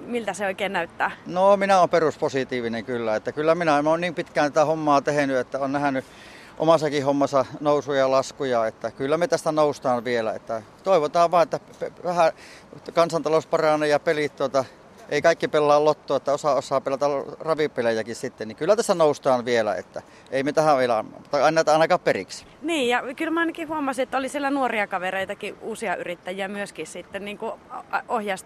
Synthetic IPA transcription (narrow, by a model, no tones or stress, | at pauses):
milt̪æseoikeːnæyt̪ːæːnoːminæoːmperusposit̪iːʋineŋkylːæet̪ːækylːæminæenoːnniːmpit̪kæːnæt̪æhomːɑːt̪ehenyet̪ːæonnæhæny | ʔo̰mɑsɑkihomːɑsɑnousujɑlɑskujɑet̪ːækylːæmet̪æst̪ænoust̪ɑːʋʋielæ̰ḛt̪ːæ | t̪oiʋot̪ɑːʋʋɑˑːet̪ːæpeʋæhæ | kɑnsɑnt̪ɑlospɑrɑnejɑpelit̪t̪uot̪ɑ | ʔeikɑikːipelːɑːllot̪ːoːet̪ːæosɑosˑɑːpelæt̪ærɑʋipːelejækissit̪ːennikylːæt̪æst̪ænoust̪ɑːnʋielæ̰ḛt̪ːæ̰ | eˑimet̪æhæʋelɑ̰m̰ut̪ːɑɑinɑnæit̪ɑˑinɑkɑːpperḭksi̥ | niːjɑkylmæɑˑinɑkihuɑmɑsiet̪ːæolisielænuoriɑkɑʋereit̪ɑkiuːsiɑʔyrit̪ːæjiæmyøskissit̪ːenniːŋkuʔohjɑst̪